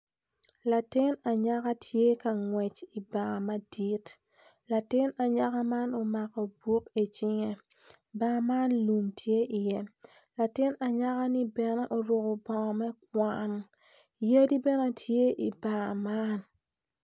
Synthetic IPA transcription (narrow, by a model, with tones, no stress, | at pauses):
la˨tɪ˦na˨ɲa˦ka˦tʰje˦ka˨ŋwɛ˨t͡ʃɪ˨ba˨ŋa˨ma˦di˦t | la˨tɪ˦na˨ɲa˦ka˦ma˦nɔ˨ma˨kɔ˨bwo˦ke˨t͡ʃɪ˦ŋe˦ | ba˨ma˦nlu˨mtʰje˦ʔɪ˨jɛ˦ | la˨tɪ˦na˨ɲa˦ka˦nɪ˦bɛ˨nɛ˦ʔɔ˨ɾʊ˨kɔ˨bɔ˨mɛ˦k̚wa˦n | je˦di˦bɛ˦na˨tʰje˦ʔɪ˨ba˨ŋa˨ma˦n